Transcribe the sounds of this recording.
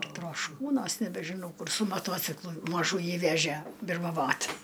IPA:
troːʃˈkuːnuɔs nʲɛbʲɛʒʲɪˈnɐʊ kʊr sʊ mɐˈtuɔt͡sʲɪklˠʊ mɐˈʒuːjiː ˈʋʲæːʒʲiɛ bʲɪrmɐˈʋoːt

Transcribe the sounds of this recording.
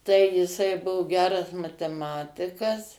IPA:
tɐɪ jɪˈsɐɪ ˈbʊʋoː ˈɡʲæːrɐs mɐtʲɛˈmɑːtʲɪkɐs

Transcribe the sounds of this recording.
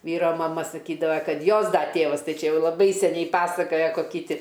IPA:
ˈʋʲiːroː mɐˈmɐ sɐˈkʲiːdɐʋɐ ˈkɐt ˈjoːs ˈdɐ ˈtʲeːʋɐs ˈtɐɪ ˈt͡ʃʲɛ ˈjɛʊ lˠɐˈbɐɪ sʲɛˈnʲɛɪ ˈpɑːsɐkoːjɛ koːˈkʲiː ˈtʲɪ

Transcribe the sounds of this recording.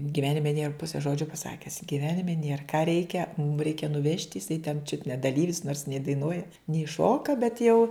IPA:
ɡʲɪˈʋʲæːnʲɪmʲɛ nʲeːr ˈpʊsʲɛ ˈʒoːd͡ʒʲoː pɐˈsɑːkʲɛs ɡʲɪˈʋʲæːnʲɪmʲɛ nʲeːr kɑː ˈrʲɛɪkʲɛ mʊm ˈrʲɛɪkʲɛ nʊˈʋʲɛʃʲtʲ jɪˈsɐɪ tʲɛn t͡ʃʲʊt nʲɛ dɐˈlʲiːʋʲɪs noːrs nʲɛɪ dɐɪˈnuɔjɛ nʲɛɪ ˈʃoːkɐ bʲɛt jɛʊ

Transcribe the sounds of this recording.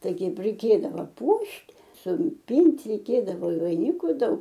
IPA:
ˈtɐɪ ˈkʲɛɪp rʲɛɪˈkʲeːdɐʋɐ ˈpuɔʃʲtʲ sʊpʲɪnʲtʲ rʲɛɪˈkʲeːdɐʋoː ɪ ʋɐɪˈnʲɪkʊ ˈdɐʊk

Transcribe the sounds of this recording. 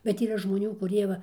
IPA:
bʲɛt iːˈrɐ ʒmoːˈnʲuː kʊˈrʲiɛ ʋɐ

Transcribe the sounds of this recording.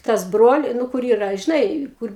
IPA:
ˈtɐs ˈbroːlʲɪ nʊ ˈkʊr ˈiːrɐ ʒʲɪˈnɐɪ ˈkʊr

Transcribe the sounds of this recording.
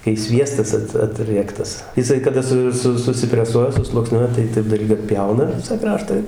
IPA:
kɐɪ ˈsʲʋʲiɛstɐs ˈɐt ɐˈtʲrʲiɛktɐs jɪˈsɐɪ kɐˈdɐ sʊ ˈsʊ sʊsʲɪpʲrʲɛˈsuɔjɛ sʊslˠuɔkˈsʲnʲuɔjɛ tɐɪ ˈtɐɪp dɐlʲˈɡʲʊ ɐtʲˈpʲjɛʊnɐ ˈʋʲɪsɐ ˈkrɑːʃtɐ ɪ

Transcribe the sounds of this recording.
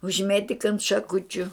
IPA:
ʊʒʲˈmʲeːtʲɪk ɐnt ʃɐˈkʊt͡ʃʲʊ

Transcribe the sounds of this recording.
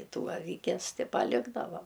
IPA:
ˈtuː ɐˈʋʲɪkʲɛs tʲɪ pɐˈlʲɪɡdɐʋɐ

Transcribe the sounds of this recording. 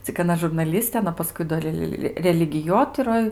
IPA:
t͡sʲɪk ɐˈnɐ ʒʊrnɐˈlʲɪsʲtʲeː ɐˈnɐ pɐˈskʊɪ doː ˈrʲɛlˠ rʲɛlʲɪɡʲɪˈjoːtʲɪroːj

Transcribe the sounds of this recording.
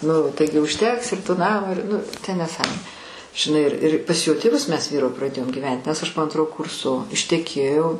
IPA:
ˈnʊ ˈtɐɪɡʲɪ ʊʃʲˈtʲɛks ɪr toː ˈnɑːmoː ɪr ˈnʊ tʲɛn nʲɛˈsɑːmoːnʲeː ʒʲɪˈnɐɪ ɪr ɪr pɐs joː tʲeːˈʋʊs ˈmʲɛs prɐˈdʲeːjoːm ɡʲiːˈʋʲɛnʲtʲ nʲɛs ˈɐʃ poː ˈɐntroː ˈkʊrsoː ɪʃʲtʲɛˈkʲeːjɛʊ

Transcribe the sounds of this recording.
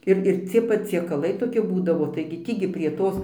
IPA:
ˈɪr ɪr ˈt͡sʲiɛ pɐt͡sʲiɛkɐˈlˠɐɪ toːˈkʲɪ ˈbuːdɐʋoː tɐɪɡʲɪ ˈtʲiː ɡʲɪ pʲrʲiɛ ˈtoːs

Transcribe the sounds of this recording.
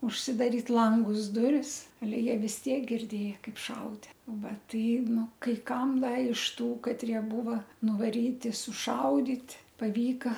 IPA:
ʊʃʲsʲɪdɐˈrʲiːt ˈlˠɐŋɡʊs ˈdʊrʲɪs ɐˈlʲɛ jiɛ ʋʲɪs ˈtʲiɛk ɡʲɪrʲˈdʲeːjɛ ˈkɐɪp ˈʃɐʊdʲɛ ˈʋɐ ˈtɐɪ ˈnʊ kɐɪ ˈkɐm ˈdɐ ɪʃ tuː kɐtʲˈrʲiɛ ˈbuːʋɐ nʊʋɐˈrʲiːtʲɪ sʊˈʃɐʊdʲiːtʲ pɐˈʋʲiːkɐ

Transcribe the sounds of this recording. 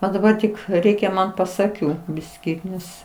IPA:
ɐ dɐˈbɐr tʲɪk ˈrʲɛɪkʲɛ ˈmɐn pɐs ɐˈkʲuː ˈbʲɪsʲkʲiː ˈnʲɛs

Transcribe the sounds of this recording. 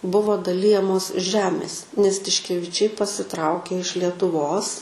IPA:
ˈbʊʋoː dɐˈlʲɪjɛmoːs ˈʒʲæːmʲeːs nʲɛs tʲɪʃʲkʲɛʋʲɪˈt͡ʃʲɛɪ pɐsʲɪˈtrɐʊkʲeː ɪʃ lʲiɛtʊˈʋoːs

